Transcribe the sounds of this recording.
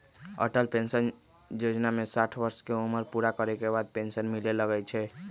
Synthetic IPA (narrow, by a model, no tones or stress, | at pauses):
ə̰ʈəlpensən | jod͡ʒnamesaʈʰbəɾskeuməɾpuɾakəɾɛkebad̪̚pensənmileləɡɛt͡ʃʰɛ